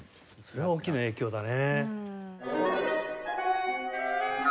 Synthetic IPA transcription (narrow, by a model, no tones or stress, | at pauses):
so̞ɾe̞βaoːkʲːinaeːkʲo̞ːd̪ane